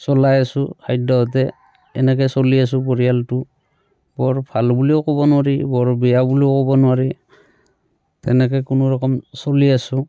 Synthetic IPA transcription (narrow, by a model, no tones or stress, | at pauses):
sɔlajasuhʰajdɔɔt̬ɛ | ɛ̰nɛkɛsɔlias̬upɔɹijaltu | bɔɹpʰalbuliɔkɔbɔnʊwaɹibɔɹbɛjabuliɔkɔbɔnʊwaɹi | tɛnɛkɔkunɔɹɔkɔmsoliasu